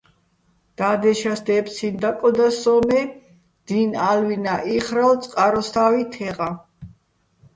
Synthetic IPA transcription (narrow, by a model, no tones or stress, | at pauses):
d̪̥ad̪ɛʃasd̪ɛpsʰind̪akʼɔd̪asɔmɛ | d̪̥inalwinaʔiχɾalt̪sʼqʼaɾɔst̪ʰavit̪ʰɛʁa